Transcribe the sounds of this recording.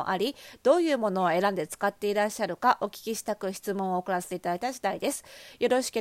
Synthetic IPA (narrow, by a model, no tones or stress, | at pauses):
o̰ʔaɾʲid̪̥o̞ːjɯ̟ːmo̞no̞oe̞ɾãnd̪e̞t͡sɨ̥kat̪ːe̞iɾaɕːaɾɯ̟kaʔo̞kʲi̥kʲiɕi̥t̪akɯ̟çi̥t͡sɨmõ̞ɰ̃oːkɯ̟ɾaset̪e̞it̪ad̪ait̪aʑid̪aid̪e̞sɨ̥jo̞ɾo̞ɕi̥ki